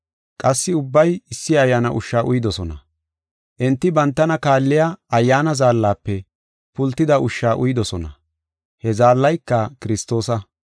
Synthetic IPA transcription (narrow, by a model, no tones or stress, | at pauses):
kʼɐsːɪʊbːɐjɪsːɪɐjːaːnɐ̰ʔʊʃːaːʔʊjɪd̪ɔsɔnɐ̰ | ʔɛnt̪ːɪbɐnt̪ːɐnɐkaːlːɪjaɐjːaːnɐzaːlːaːpːɛ | pʊlt̪ːɪd̪ɐʔʊʃːaːʔʊjɪd̪ɔsɔnɐ̰ | hɛzaːlːɐjkːɐkɪɾɪst̪o̞ːsɐ